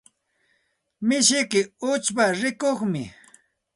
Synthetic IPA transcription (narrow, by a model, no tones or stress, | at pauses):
mɪʃɪkɪʊt͡ʃpaɾɪkoχmɪ̰